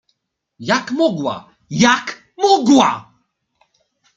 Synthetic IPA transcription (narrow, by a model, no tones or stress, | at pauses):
jakmɔɡwa̰ | jak | mɔɡwa̰